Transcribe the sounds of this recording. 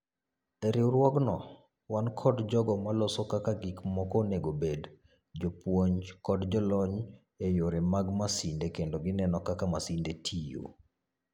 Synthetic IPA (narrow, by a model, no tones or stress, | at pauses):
eɾɪʊɾwɔɡnɔ | wankʰɔdd͡ʒɔɡɔmalɔsɔkakaɡikmɔkɔneɡobed | d͡ʒopwoɲd͡ʒkɔdd͡ʒɔlɔɲ | ejoɾemaɡmasindekendoɡɪnɛnɔkakamasindetʰijo̰